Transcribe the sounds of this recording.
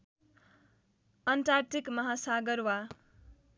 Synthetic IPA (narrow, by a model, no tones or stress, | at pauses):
ʌnʈaɾtʰikmʌɦasaɡʌɾwa